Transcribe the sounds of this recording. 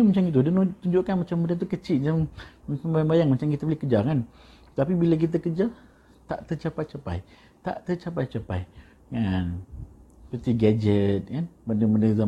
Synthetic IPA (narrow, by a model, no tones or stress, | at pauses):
ɲəmat͡ʃamit̪̬udənut̪uɲd͡ʒuʔkanmat͡ʃambəndət̪̬ukət͡ʃid͡ʒamambajaŋbajaŋmat͡ʃamkit̪əbəlikəd͡ʒakan | t̪apibilak̬it̪̬əkəd͡ʒa | t̪aʔt̪ət͡ʃapajt͡ʃapa̰j | t̪a̰ʔt̪ət͡ʃapajt͡ʃapaj | ŋan | pət̪iɡad͡ʒət̪̚kanbəndəbəndəza